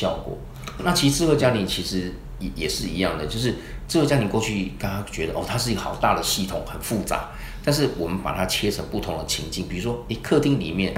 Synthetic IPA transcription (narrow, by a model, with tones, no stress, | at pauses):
jɑ˥˩ʊkwɔ̰˨˩˦ | na˥˩t͡ɕʰi˧˥ʂ̩˧t͡s̩˥˧kə˧t͡ɕja˥li˧˥nt͡ɕʰi˧˥ʂɻ̩˧˥ | ɛ˨˩jɛ˨˩ʂɻ̩˥˩i˧˥jɑ˥˩ŋd̪ə˩t͡ɕjo˥˧ʊʂɻ̩˥˩ | ʈ͡ʂ̩˥˩kə˧˩t͡ɕja˥ni˧˥nkwɔ˥˧t͡ɕʰy˥˩kə˥na˥t͡ɕɥɛ˧˥d̪ə˨ʔɔ˥˩t̪ʰa˥ʂɻ̩˥˩i˧˦ɡə˩xɑ˨˩ʊt̪a̰˥˩d̪ə˩ɕi˥˩t̪ʰʊ˨˩ŋxə˨˩nfu˥˩t͡sa̰˧˦ | t̪a˥˧nʂ̬ɻ̩˥˩wɔ˨˩mə˦npa̰˨˩t̪ʰa˥t͡ɕʰjɛ˥t͡sʰə˧˥ŋpu˥˩t̪ʰʊ˧˥ŋd̪ə˨t͡ɕʰḭ˧˥ŋt͡ɕi˥˩ŋpi˨˩u˧˥ʂwɔ˥e˥˩ɪkʰɤ˥˧t̪i˥˩ŋlḭ˨˩mjɛ˥˨n